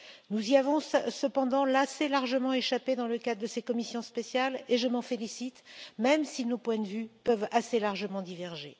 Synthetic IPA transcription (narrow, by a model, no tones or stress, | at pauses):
nuziavɔ̃ssəpɑ̃d̪ɑ̃laselaʁʒəmɑ̃eʃaped̪ɑ̃ləkad̪ʁəd̪əsekɔmisjɔ̃spesjaleʒəmɑ̃felisit̪mɛmsinopwɛ̃d̪əvypœvaselaʁʒəmɑ̃d̪ivɛʁʒḛ